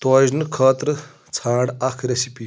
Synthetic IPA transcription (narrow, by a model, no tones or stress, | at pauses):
t̪ojznkʰət̪ɾə | t͡sʰaːɽakʰɾesipi